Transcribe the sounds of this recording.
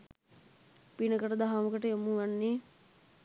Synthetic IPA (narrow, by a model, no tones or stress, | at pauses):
pinəkəʈəd̪aɦaməkəʈəjomuʋanːe